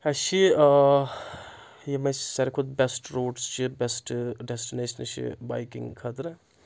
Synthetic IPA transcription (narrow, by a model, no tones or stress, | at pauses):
ɐʃi | jemɐssɐɾikʰot̪̚besʈɾoːɖst͡ʃibesʈɖesʈineːʃɐnʃʰḭba̰jkḭŋkʰɐt̪ɾɐ